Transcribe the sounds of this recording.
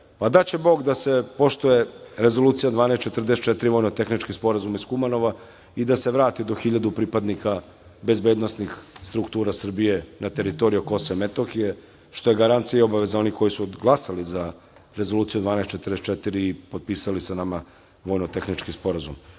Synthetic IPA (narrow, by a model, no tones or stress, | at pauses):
pad̪at͡ɕe̞bo̞ːɡd̪ase̞po̞ʃt̪uje̞ɾe̞zo̞luːt̪sijad̪ʋaːnest̪t͡ʃe̞t̪r̩d̪est̪̚t͡ʃet̪iɾiʋo̞jnot̪e̞xnit͡ʃkispo̞ɾazumiskumano̞ʋa | id̪ase̞ʋɾaːt̪id̪oxiʎad̪upɾipad̪nika | be̞zbeːd̪no̞snixst̪ɾukt̪uːɾasr̩bije̞nat̪e̞ɾit̪o̞ɾijuko̞soemet̪oxije | ʃt̪o̞je̞ɡaɾant̪siaio̞baʋezao̞niko̞jisuɡlˠasaliza | ɾe̞zolˠuːt̪sijud̪ʋaːnest͡ʃet̪r̩d̪est͡ʃet̪iɾiːpo̞d̪̚piːsalisanama | ʋo̞jnot̪exnit͡ʃkispo̞ɾazum